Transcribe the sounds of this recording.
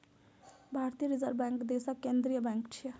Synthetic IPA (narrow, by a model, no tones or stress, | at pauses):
bʱaɾt̪ijəɾid͡zəɾbaŋkd̪esakkːend̪ɾijəbãŋkt͡ʃʰi